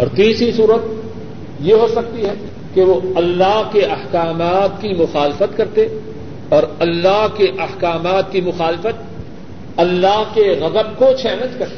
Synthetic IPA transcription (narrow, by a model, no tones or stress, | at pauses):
ɔːɾt̪iːsisuːɾət̪̚ | jeɦosɐk̚t̪iɦɛ | keʋoɐlːaɦkeɐhkaːmaːt̪̚kimʊxaːlɪfət̪kɐɾt̪e | ɔːɾɐlːaɦkeʔɐhkaːmaːt̪̚kimʊxaːlɪfət̪̚ | ɐlːaɦkeɣɐd̪əb̚kot͡ʃʰɛːlə̃nd͡ʒkɐɾt̪e